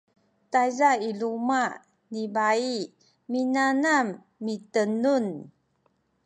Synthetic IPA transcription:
tajzailuma | nibai | minanamː | itənun

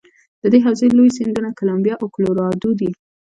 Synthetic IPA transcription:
d̪̥əd̪eɦawzəlojsind̪unakʊlambjɑʔakʊloɾɑd̪ud̪i

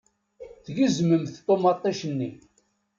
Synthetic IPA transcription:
θʝəzməmθt̪ˤːomɑt̪ˤːæʃənːi

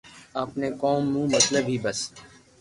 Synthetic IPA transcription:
apneːkoːmːũːmət̪ləbɦiːbəs

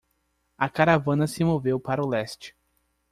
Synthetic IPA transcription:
ɐkaɾavɐ̃nɐsɪmovewpaɾʊlɛst͡ʃɪ̥

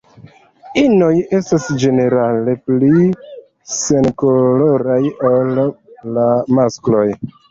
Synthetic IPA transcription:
ino̞je̞stasd͡ʒe̞ne̞ɾale̞pli | se̞nkolo̞ɾajolːamasklo̞j

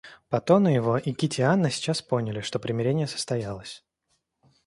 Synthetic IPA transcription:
pɐt̪o̞nʊjɪvo̞ʔikʲɪtʲɪanːəsʲɪ̥t͡ɕaspo̞nʲɪlʲɪʂt̪o̞pɾʲɪmʲɪɾʲenʲɪjəsə̥st̪ɐjalˠəsʲ

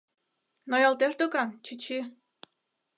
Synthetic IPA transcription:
nojɑlt̪eʃd̪okɑnt͡ɕit͡ɕi

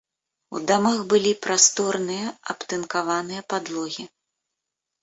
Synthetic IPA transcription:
ud̪ɔmaxbɨlʲipɾast̪ɔrnɨjɐɐ̰pt̪ɨnkavanɨjɐpad̪lˠɔɣʲi

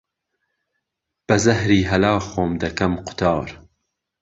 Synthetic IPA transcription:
b̥ɐzɐhɾiːɦɐlɑːxoːmd̪ɐkʰɐmqʰʊ̥t̪ʰɑːɾ

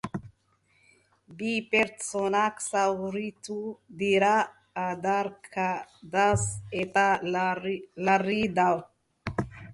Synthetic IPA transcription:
bipeɾtsonaksawɾitud̪iɾaː | d̪aɾkʰad̪aset̪a | laɾid̪aw

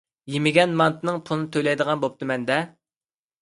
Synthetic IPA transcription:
jimɪɡʲɛnmɑnt̪ʰɨnɨŋpʰulˠnɨt̪ʰøjlɛjd̪əʁɑnbop̚t̪ɨmɛnd̪ɛ

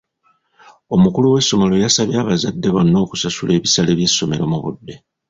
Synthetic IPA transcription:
o̞mukuluwe̞sːo̞mo̞lo̞jasaβjaːβazadːe̞βonːoːku̥sasule̞ːβisale̞βje̞sːo̞me̞ɾo̞muβṵdːe̞

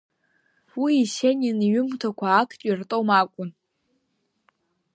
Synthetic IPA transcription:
wiːʃeninɥʊmtʰakʷʰaːkʰtʼirtʼowmakʷʼʊn

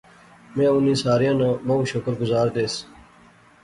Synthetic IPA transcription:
mẽːʊnĩːsaːɾijãːnãːmaũːʃokəɾɡʊzaːɾd̪eːs

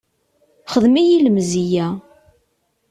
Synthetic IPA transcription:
χəðmijiləmzijæ

